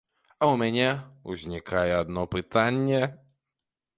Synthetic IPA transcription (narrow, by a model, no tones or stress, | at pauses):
aumʲɛnʲɛuzʲnʲikʰajɛad̪nɔpɨt̪anʲːɛ